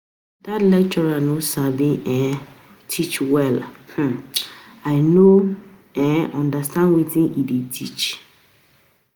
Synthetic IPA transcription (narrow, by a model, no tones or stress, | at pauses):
datlɛk̚t͡ʃɔɹanõsabĩʔɛ̃ | tʰit͡ʃwɛlh̩ | aɪno | ɛ̃ʔɔ̃ndastʰãnwitʰĩnʔiditʰit͡ʃ